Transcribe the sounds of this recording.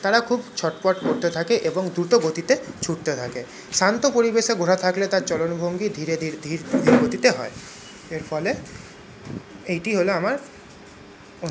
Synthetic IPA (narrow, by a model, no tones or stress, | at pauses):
t̪aɾakʰubt͡ɕʰɔʈpɔʈkoɾt̪et̪ʰakeʔeboŋd̪ɾuʈoɡot̪it̪et͡ɕʰuʈt̪et̪ʰake | ʃant̪opoɾibeʃeɡʱoɾat̪ʰaklet̪aɾt͡ɕɔlonbʱoŋɡid̪ʱiɾed̪ʱiɾd̪ʱiɾd̪ʱiɾɡot̪it̪eɦɔe | eɾfʰɔle | ejʈiɦoloamaɾ | o